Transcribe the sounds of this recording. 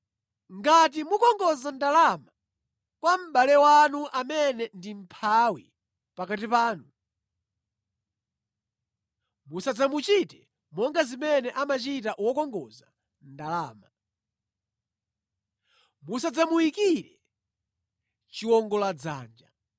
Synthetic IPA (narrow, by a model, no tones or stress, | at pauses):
ŋɡat̬imukɔŋɡɔzandalama | kwam̩ɓalɛwanuʔamɛnɛndim̩pʰawi | pakatipaːnu | musad͡zamut͡ʃitɛ | mɔŋɡazimɛnɛʔamat͡ʃitaʔwɔkɔŋɡɔza | ndalaːma | musad͡zamuwikiɾɛ | t͡ʃiwɔŋɡɔlad͡za̰ːnd͡ʒa